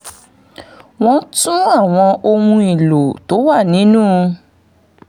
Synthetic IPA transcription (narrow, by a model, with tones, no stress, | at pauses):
w̃ɔ̃˧tũ˦a˦˨w̃ɔ̃˧ʔo˧wũ˧i˨lo˨to˨˦wa˦˨nĩ˨˦nũː˦˧